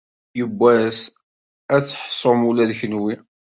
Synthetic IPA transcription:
jəbʷːæs | æt͡sːħsˤːomulæðçənwi

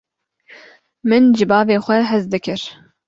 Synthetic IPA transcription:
mɨnd͡ʒɨbɑːveːxʷɛɦɛzd̪ɨkʰɨɾ

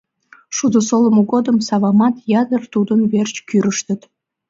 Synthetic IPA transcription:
ʃud̪əsoləmoɣod̪əmsɑβɑmɑt̪jɑd̪ərt̪ud̪ənβert͡ɕkyɾəʃt̪ət̪

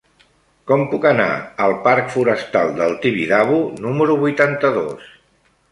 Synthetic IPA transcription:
kɔmpukəna̰əlˠpaɾkfuɾəst̪alˠd̪əlˠt̪iβiðaβunuməɾuβujt̪ant̪əðo̰s

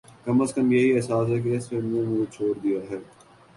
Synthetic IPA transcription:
kɐməskəmjɐɦiɛɦsaːs̬ɦɛk̬eɪseẽmʊɾt͡ʃʰoːɾd̪ijaɦɛː

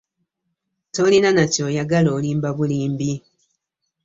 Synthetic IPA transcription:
to̞linanacoːjaɡaloːliːmbaβuliːmbi

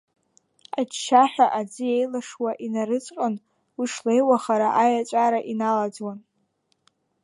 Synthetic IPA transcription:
at͡ʃʰʃaħʷᶣaʔad͡zɨejlaʂwaʔinaɾɨt͡sʷʼqʼən | wiʂlejwaχaɾaʔajat͡ʃʷʼaɾaʔinalad͡zwan

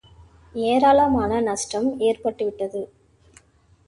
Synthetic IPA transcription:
eːɾaːlɐmaːnɐnɐsʈɐmeːɾpɐʈːɯʋɪʈːɐðɯ

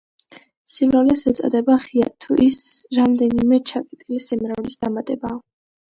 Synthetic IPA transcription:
simɾavlɛsɛt̪sʼa̰d̪ɛbaχia̰t̪ʰuʔisɾamd̪ɛnimɛt͡ʃʰakʼit̪ʼilisimɾavlisd̪amat̪ʼɛbaː

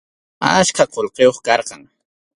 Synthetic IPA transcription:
askaqolqejoχkɑɾqɑŋ

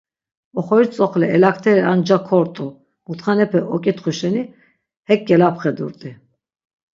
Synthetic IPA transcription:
ɔχɔit͡sʼɔχlɛɛlakʰt̪ʰɛɾɛand͡ʒakʰɔɾt̪ʼu | mut̪ʰχanɛpʰɛʔɔkʼit̪χuʃɛni | hɛk̚ɡɛlapχɛd̪ṵɾt̪ʼi

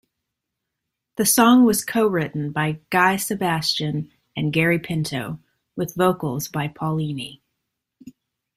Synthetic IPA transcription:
ðɨsɔ̃ŋwʌz̥kʰoʊɹɪʔn̩baɪɡ̥aɪsɨbæst͡ʃɨ̃n | ɨ̃nɡɛɹipʰɪ̃ntʰoʊ | wɨðvoʊkl̩ˠzbaɪpʰɑlˠĩni

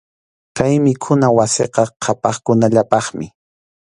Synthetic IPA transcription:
kajmɪkʰʊnawaseqɑqʰɑpɑχkʊnaʎapɑχmɪ̰

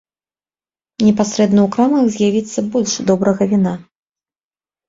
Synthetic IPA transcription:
nʲɛpasɾɛd̪nɐwkɾamɐɣzʲjavʲit̪sːɐbɔlʲʂd̪ɔbɾɐɣɐvʲina

